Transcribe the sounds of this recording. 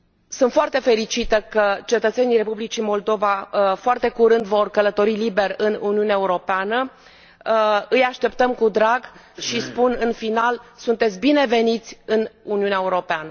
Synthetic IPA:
sunt̪foart̪e̞fe̞ɾit͡ʃit̪əkət͡ʃe̞t̪ət̪se̞nijre̞publit͡ʃimo̞ld̪o̞vafoart̪e̞kuɾɨnd̪vo̞rkələt̪o̞ɾilibe̞rɨnuniuneaeuɾo̞peanə | ɨjaʃt̪e̞pt̪əmkud̪ɾaɡ | ʃispunɨnfinalsunt̪et̪sʲbine̞ve̞nit̪sʲɨnuniuneaeuɾo̞peanə

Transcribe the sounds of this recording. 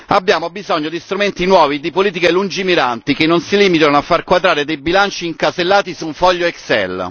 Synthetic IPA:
abːjaːmobizɔɲːod̪ist̪ɾument̪inwɔːvid̪ipoliːt̪̬ikelund͡ʒimiɾant̪ikenːonsiliːmit̪̬anoafːarkwad̪ɾaːɾed̪ejbilant͡ʃiːŋkaselːaːt̪isuɱfɔʎːoɛksɛ̰l

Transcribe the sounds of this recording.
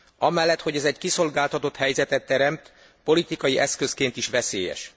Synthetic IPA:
ɒmɛlːɛt̪hoɟɛzɛɟkiso̞lɡaːlt̪ɒt̪o̞t̪hɛjzɛt̪ɛt̪ːɛɾɛmt̪ | po̞lit̪ikɒjiʔɛskøskeːnt̪iʃʋɛsḛːjɛ̰ʃ

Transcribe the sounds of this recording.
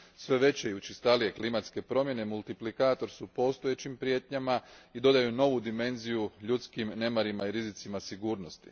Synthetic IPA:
sʋe̞ʋe̞t͡ɕejut͡ɕist̪alije̞klimat̪ske̞pɾo̞mje̞ne̞mulˠt̪iplikaːt̪o̞ɾsupo̞st̪o̞jet͡ɕimpɾje̞t̪ɲamaid̪o̞d̪ajuno̞ʋud̪ime̞nzijuʎut̪skimne̞maɾimaiɾizit̪simasiɡuːɾno̞st̪i̥̰

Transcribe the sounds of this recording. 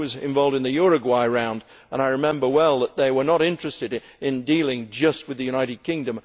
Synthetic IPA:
wʌzɨ̃ɱvɑlˠvdɨ̃nðɨjɔɹɨɡwaɪɹãʊ̃nd | ə̃ñaɪɹɨmɛ̃mbə˞wɛlˠðət̪̚ðeɪwə˞nəɾɪ̃nt͡ʃɹ̥ɨstɨɾ | ɪ̃ndilˠɪ̃ŋd͡ʒʌst̚wɨðɨjʉɾaɪɾɨd̚kʰɪ̃ŋdɨ̃m

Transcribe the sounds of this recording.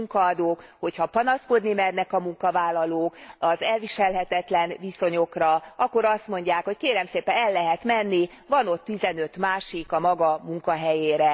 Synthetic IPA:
uŋkɒːd̪oːkho̞chɒpɒnɒsko̞d̪nimɛrnɛkɒmuŋkɒvaːlːɒloːkɒzɛlviʃɛlɦɛt̪ɛt̪lɛnviso̞ɲo̞krɒɒkːo̞ɾɒst̪mo̞ɲɟaːkho̞ckeːɾɛmseːpɛnɛlːɛɦɛt̪mɛnːi | vɒno̞t̪ːizɛnø̞t̪maːʃikɒmɒɡɒmuŋkɒɦɛjeːɾɛ

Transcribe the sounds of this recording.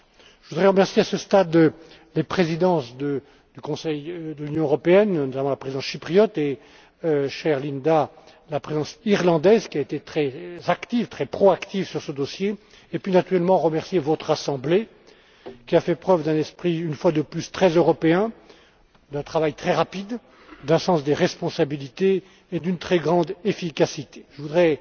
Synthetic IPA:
ʒəvud̪ʁɛʁəmɛʁsjeasəst̪ad̪ | lepχezid̪ɑ̃sd̪ə | d̪̥ykɔ̃sɛjd̪əlynjɔ̃øʁɔpeɛnnɔt̪amɑ̃lapχezid̪ɑ̃sʃipχijɔt̪e | ʃɛʁlind̪a | lapχezɑ̃siʁlɑ̃d̪ɛzkʲiaet̪et̪χɛzakt̪ivt̪χɛpχɔakt̪ivsyʁsəd̪osjeː | pɥinat̪yʁɛlmɑ̃ʁəmɛʁsjevɔt̪χasɑ̃ble | kʲiafɛpχœvd̪ɛ̃nɛspχiynfwad̪əplyst̪χɛzøʁɔpeɛ̃ | d̪ɛ̃t̪χavajt̪χɛʁapid̪ | d̪ɛ̃sɑ̃sd̪eʁɛspɔ̃sabilit̪eː | d̪ynt̪χɛɡʁɑ̃d̪efikʲasit̪e̥ʒ̥əvud̪ʁɛ

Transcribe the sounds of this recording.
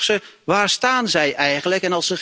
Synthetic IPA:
səʋaːrstaːnzɛjʔɛjɣənləkɛnɑlˠsə

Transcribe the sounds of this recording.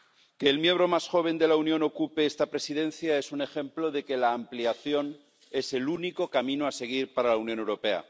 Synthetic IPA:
ke̞ːlmje̞mbɾo̞masxo̞β̞e̞nd̪e̞launjõ̞no̞kupeest̪apɾe̞siðẽ̞nθjae̞sune̞xẽ̞mplo̞ðe̞ke̞laːmpliaθjo̞n | e̞se̞luniko̞kamĩnoase̞ɣ̞iɾpaɾalaunjone̞wɾo̞pe̞a̰

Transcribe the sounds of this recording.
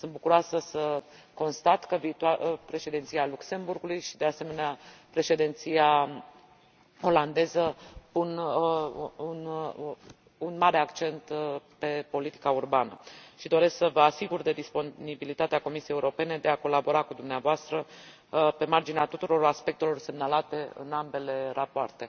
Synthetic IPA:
sɨnt̪̚bukuɾoasəsə | ko̞nst̪at̪kəviːt̪apɾe̞ʃe̞d̪int̪sialukse̞mburɡulujʃid̪e̞ase̞me̞neapɾe̞ʃe̞d̪int̪sija | o̞land̪e̞zəpun | un | unmaɾe̞akt͡ʃe̞nt̪pe̞po̞lit̪i̥kaurbanə̰ʃid̪o̞ɾe̞sksəvəasiɡurd̪e̞d̪ispo̞nibilit̪at̪eako̞misijejeuɾo̞pe̞ne̞d̪e̞ako̞labo̞ɾakud̪umneavoast̪ɾə | pe̞mard͡ʒineat̪ut̪uɾo̞raspe̞k̚t̪e̞lo̞rse̞mnalat̪e̞ɨ̰nambe̞le̞ɾapoart̪e̞

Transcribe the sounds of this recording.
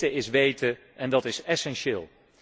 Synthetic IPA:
əɪsʋejtə | ɛndɑtɪsɛsɛnʃɪːlˠ

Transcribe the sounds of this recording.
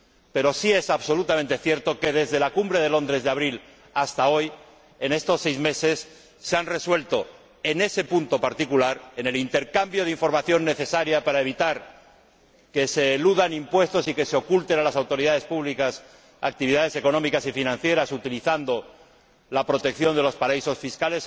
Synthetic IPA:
pe̞ɾo̞sie̞saβso̞lut̪amẽnt̪e̞θje̞ɾt̪o̞ke̞ðe̞zðe̞lakumbɾe̞ðe̞lo̞nd̪ɾe̞zðaβ̞ɾil | ast̪ao̞j | e̞ne̞st̪o̞sːe̞jzme̞se̞sː | eanre̞swe̞lt̪o̞ | e̞ne̞se̞punt̪o̞paɾt̪ikulaɾe̞ne̞lint̪e̞ɾkambjo̞ðiɱfo̞ɾmaθjo̞nːe̞θe̞saɾjapaɾae̞β̞it̪aɾ | ke̞se̞luðanimpwe̞st̪o̞sike̞seo̞kult̪e̞nalasawt̪o̞ɾiðaðe̞spuβlikas | a̰k̚t̪iβiðað̞e̞se̞ko̞nõ̞mikasifinãnθje̞ɾasut̪iliθand̪o̞ | lapɾo̞t̪e̞k̚θjo̞nd̪e̞lo̞spaɾaiso̞sfiskale̞s

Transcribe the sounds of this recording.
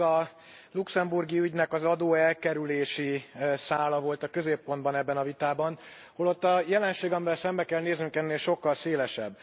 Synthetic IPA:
ɒ | luksɛmburɡiyɟnɛkɒzɒd̪oːɛlkɛɾyleːʃisaːlɒvo̞lt̪ɒkø̞zeːpːo̞nd̪̚bɒnɛbːɛnɒvit̪aːbɒn | holo̞t̪ːɒjɛlɛnʃeːɡɒmivɛlsɛmbɛkɛlneːznyŋkɛnːeːlʃo̞kːɒlseːlɛʃɛ̰bː

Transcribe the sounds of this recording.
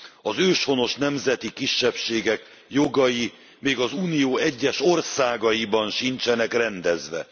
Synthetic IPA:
ɒzøːʃho̞no̞ʃnɛmzɛt̪ikiʃːɛpʃeːɡɛk | jo̞ɡɒji | meːɡɒzuːnijoːɛɟːɛʃo̞rsaːɡɒjibɒnʃint͡ʃɛnɛkrɛnd̪ɛzʋɛ

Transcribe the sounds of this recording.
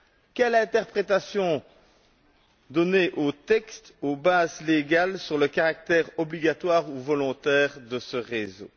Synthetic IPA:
kʲɛlɛ̃t̪ɛʁpχet̪asjɔ̃ | d̪ɔneʔot̪ɛkst̪obazleɡalsyʁləkaʁak̚t̪ɛːʁɔbliɡat̪waːʁuvɔlɔ̃t̪ɛːʁd̪əsəʁezo

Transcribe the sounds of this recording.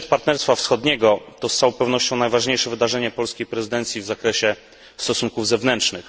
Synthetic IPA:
t̪paɾt̪nɛɾst̪fafsxɔd̪ɲɛɡɔt̪ɔst̪awɔpɛvnɔɕt͡ɕɔ̃w̃najvaʐɲejʂɛvɘd̪aʐɛɲɛpɔlskʲejpɾɛzɘd̪ɛnt̪sʲjivzakɾɛɕɛ | st̪ɔsuŋkuvzɛvnɛntʂnɘx

